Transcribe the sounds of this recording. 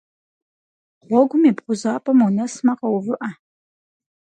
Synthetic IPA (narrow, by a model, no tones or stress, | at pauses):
ʁʷɔɡʷʊmiːbχʷʊzaːpʼɐmunɐsmɐqɐwvɨʔɐ